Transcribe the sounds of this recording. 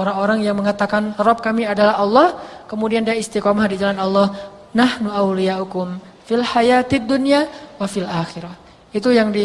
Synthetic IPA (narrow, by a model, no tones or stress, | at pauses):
oɾaŋoɾaŋjaŋməŋat̪akanrɔp̚kamiadalaɦɑlːɔhkəmudiandiaist̪ikɔmahdid͡ʒalanɑlːɔh | nahnuʔawlijaʔukʊm | filħajat̪id̪ːunijawafilʔaxiɾah | it̪ujaŋdi